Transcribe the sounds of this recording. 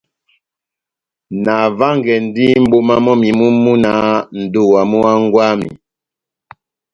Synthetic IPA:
na˨va˦ŋɡɛ˨n˦di˦m̩˦bo˦ma˦mɔ˦mi˨mu˦mu˦na˨˦n̩˨do˦˨wa˨mu˦a˦ŋ˦ɡwa˦mḭ˨

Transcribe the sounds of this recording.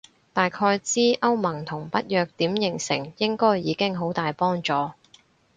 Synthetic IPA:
t̪aː˨jkʰɔː˧jt͡siː˥ʔɐ˥wmɐ˨˩ŋt̪ʰʊ˨˩ŋpɐ˥t̚jœː˨k̚t̪iː˨˥mjɪ˨˩ŋsɪ˨˩ŋjɪ˥ŋkɔː˥jjiː˨˧kɪ˥ŋɦo˨˥wt̪aː˨jpɔː˥ŋt͡sɔː˨˥

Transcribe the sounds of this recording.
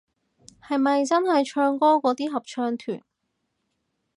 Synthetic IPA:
hɐ˨jmɐ˨jt͡sɐ˥nhɐ˨jt͡ʃʰœː˧ŋkɔː˥kɔː˨˥t̪iː˥ɦɐ˨p̚t͡ʃʰœː˧ŋt̪ʰyː˨˩n

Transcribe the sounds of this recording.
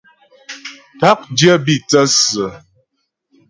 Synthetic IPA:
ta˦k̚djə˦bi˦˨t͡sə˦sə˨

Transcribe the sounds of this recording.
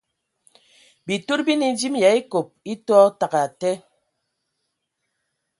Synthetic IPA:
bi˨to˦ɾbi˦ni˨n˦d͡ʒi˦mja˨˦i˦ko˨p̚i˦tɔ˦ta˨ka˨tɛ˦

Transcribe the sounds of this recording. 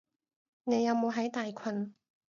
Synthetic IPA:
ne˨˧jɐ˨˧wmo˨˧wɦɐ˨˥jt̪aː˨jkʰɐ˧n

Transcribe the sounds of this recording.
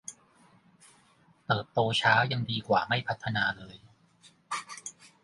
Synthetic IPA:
t̪ɤː˨˩t̪ːoː˧t͡ɕʰaː˦˥wja˧ŋdiː˧kwaː˨˩ma˥˩jpʰa˦˥t̪ʰːa˧naː˧lɤː˧j

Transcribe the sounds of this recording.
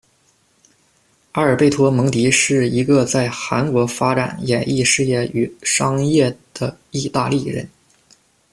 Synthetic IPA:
a˥ə˞˨˩pe˥˩ɪt̪ʰwɔ˥mɤ˧˥ŋt̪i˧˥ʂɻ̩˥˩i˧˥ɡə˧t͡sa˥˩ɪxa˧˥nkwɔ˧˥fa˥ʈ͡ʂa̰˨˩njɛ˨˩nʔi˥˧ʂɻ̩˥˧jɛ˥˩y˨˩ʂɑ˥ŋjɛ˥˩d̪̥ə˩ | i˥˧t̪a˥˧li˥˩ɻə̰˧˥n

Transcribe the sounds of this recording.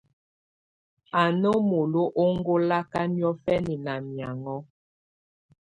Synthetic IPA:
a˨no˦mo˨lo˦ʔo˦ŋ˦ɡo˦la˦ka˦njɔ˦fɛ˦ni˨na˨mja˨ŋɔ˦

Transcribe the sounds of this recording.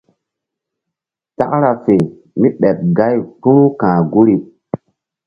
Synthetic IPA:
ta̰˦kɾa˨fe˨ | mi˦ɓɛ˨p̚ɡa˦jtu˦ɾu˦kãː˨ɡu˦ɾi˨

